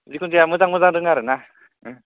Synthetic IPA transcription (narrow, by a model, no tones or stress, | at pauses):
zikʰunzeamɯzaŋmɯzaŋdɯŋaɾɯna